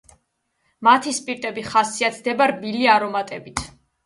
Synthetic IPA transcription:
mat̪ʰispʼiɾt̪ʼɛbiχasiat̪sʰd̪ɛbaɾbiliaɾɔmat̪ʼɛbit̪ʰ

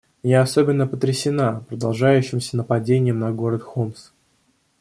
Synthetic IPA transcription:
mjʲaɐso̞bʲɪnːəpət̪ɾʲɪsʲɪnapɾəd̪ɐlˠʐajʉɕːɪmsʲənəpɐdʲenʲɪjəmnɐɡo̞ɾət̪xoms

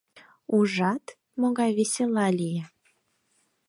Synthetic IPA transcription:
uʒɑt̪ | moɣɑjβesʲelɑlʲije

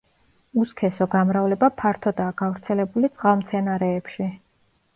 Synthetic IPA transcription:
uskʰɛsɔɡamɾavlɛbapʰaɾt̪ʰɔd̪aːɡ̥avɾt̪sʰɛlɛbulit̪sʼqʼalˠmt̪sʰɛnaɾɛːpʃi

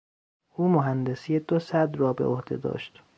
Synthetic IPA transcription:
ʔuːmoɦænd̪e̞sijed̪osæd̪rɒːbḛohd̪e̞̰d̪ɒ̰ːʃt̪

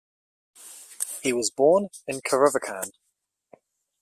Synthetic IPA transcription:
hiwɒzbɔːnɪ̃nkʰəɹəvəkʰãn

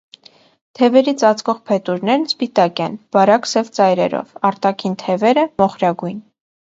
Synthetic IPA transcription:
t̪ʰɛvɛɾit͡sʰɑt͡skʰɔʁpʰɛt̪uɾnɛɾnspit̪ɑkɛnb̥ɑɾɑksɛvt͡sɑjɾɛ̰ɾɔ̰vɑɾt̪ɑkʰint̪ʰɛvɛɾəmɔχɾɑɡujn

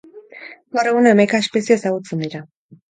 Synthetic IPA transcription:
baɾeɣunaemejkaespesiesaɣut͡send̪iɾa

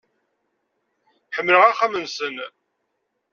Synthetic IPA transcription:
ħəmːləʁæχæmənsən

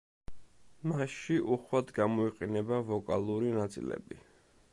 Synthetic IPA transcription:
masʃiʔuχwad̪ɡamɔiqʼɛnɛbavɔkʼa̰lˠuɾinat̪sʼḭlɛ̰bi

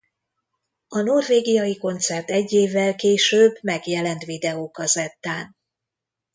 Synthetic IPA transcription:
ɒno̞rveːɡijɒjiko̞nt̪sɛrt̪ɛɟːeːvːɛlkeːʃøːbmɛɡjɛlɛnt̪ʋid̪ɛoːkɒzɛt̪ːaːn

